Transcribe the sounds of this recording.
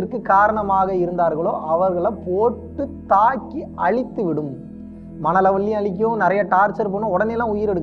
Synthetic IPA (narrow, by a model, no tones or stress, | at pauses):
ɪɾkːɯkaːɾɐɳɐmaːɣɐɪɾɯnd̪aːɾɣɐɭoːʔɐʋɐɾɣɐɭɐpoːʈːɯt̪aːkːiʔɐɭɪt̪ːɯʋɪɽɯmː | ɐnɐlɐʋɐɭːiɐɭɪk̬ːjõːnɪɾɐjɐʈaːɾt͡ʃɐɾp̬oːnõːɔɽɐneːlːãːʊjɪɾɛɽɯkː